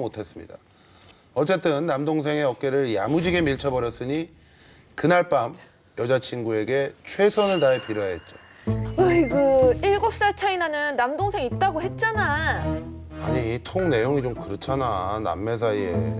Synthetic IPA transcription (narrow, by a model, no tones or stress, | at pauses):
motʰe̞s͈ɯmɲḭda | ʌt͡ɕ͈e̞t͈ɯnːamdoŋs̬ʰe̞ŋe̞ʌk̚k͈e̞ɾɯɭja̰mud͡ʑiɡe̞miɭt͡ɕʰʌbʌɾjʌs͈ɯɲi | kɯnaɭp͈am | jʌd͡ʑat͡ɕʰinɡue̞ɡe̞t͡ɕʰwe̞sʰʌnɯɭtaepiɾjoɦaɦet̚t͡ɕ͈o̥ | aiɡɯiɭɡʌp̚s͈at͡ɕʰainanɯnːamdoŋsʰe̞ŋit̚t͈aɡohe̞t̚t͡ɕ͈ana | a̰ɲitʰoŋne̞joŋit͡ɕomkɯɾɯt͡ɕʰanana̰mːe̞s̬ʰaie̞̰